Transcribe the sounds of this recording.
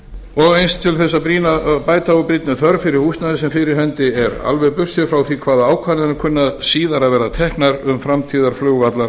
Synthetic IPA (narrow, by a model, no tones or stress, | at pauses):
ɔɣejnst̪ʰɪlθɛsːapɾiːnapaːjt̪ʰaɣʏpɾit̪nɪθœɾfɪɾɪɾ̥hust̪naðɪsɛmfɪɾɪɾ̥hɛnt̪ɪɛɾa̰lvɛɣpʏfsɛfɾawθikʰvaːðaaːwkʰvaːnɪnʏkʰʏnːaðsiːðaɾaðvɛːɾat̪ʰɛhknaɾʏmfɾamt̪ʰiːðaɾ̥flʏɣvat̪la